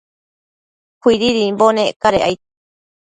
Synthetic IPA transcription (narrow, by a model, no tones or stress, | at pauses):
kʷiɾiɾimbonekaɾeʔajt̪